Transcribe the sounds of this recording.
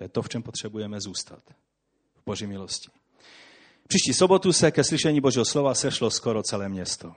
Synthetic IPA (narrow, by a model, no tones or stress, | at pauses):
ɛt̪oft͡ʃɛmpot̪r̝̥ɛbujɛmɛzuːst̪a̰t̪ | vboʒimɪlosci̥ | fpr̥iːʃciːsobot̪usɛkɛsliʃɛɲiːbo̞ʒiːɦoslovasɛʃloskoɾot͡sɛlɛːmɲɛst̪o